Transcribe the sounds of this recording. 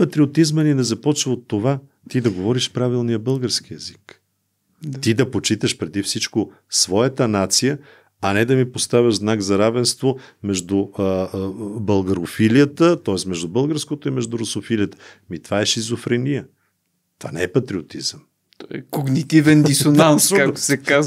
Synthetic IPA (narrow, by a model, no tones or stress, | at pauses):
pɐt̪ɾiot̪izmɐninɛzɐpɔt͡ʃvəot̪ːova | t̪id̪ɐɡovɔɾiʃpɾavilˠnijəbɤlˠɡəɾskiɛzik̪ | t̪id̪ɐpot͡ʃit̪əʃpɾɛd̪ifsit͡ʃko | svɔjət̪ənat̪sijə | ɐnɛd̪ɐmipost̪avʲəʒznaɡzɐɾavɛnst̪vomɛʒd̪ʊ | bɐlˠɡɐɾʊfilijət̪ət̪ɔɛsmɛʒd̪ubɤlˠɡəɾskot̪oimɛʒd̪uɾosofiliət̪ə̥mit̪vaɛʃizofɾɛnijə | t̪ovanɛɛpɐt̪ɾiot̪izəm | t̪ɔɛkoɡnit̪ivɛnd̪isonanskakt̪ʊ̥sɛkaz